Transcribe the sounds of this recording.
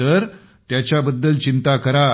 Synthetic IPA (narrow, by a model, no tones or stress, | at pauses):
əɾ | t̪jat͡ɕjabəd̪ːəlt͡ɕint̪akəɾa